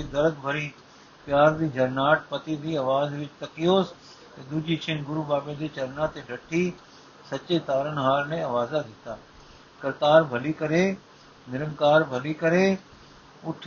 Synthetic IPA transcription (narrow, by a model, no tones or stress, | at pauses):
ed̪ɐɾəɡ̚bʱɐɾĩː | pjaːɾd̪iːd͡ʒʱɐɾnaːʈ̚pɐt̪id̪ʱiːɐʋaːzʋɪt͡ʃt̪ɐkijoːs | t̪ed̪uːd͡ʒit͡ʃʰɪnɡʊɾubaːbẽd̪iːt͡ʃɐɾnaːt̪eɖʱɐʈʰi | sɐt͡ʃet̪aːɾənɦaːɾnẽɐʋaːzad̪ɪt̪aː | kɐɾt̪aːɾbʱɐlikɐɾe | nɪɾəŋkaːɾbʱɐlikɐɾe | ʊʈʰ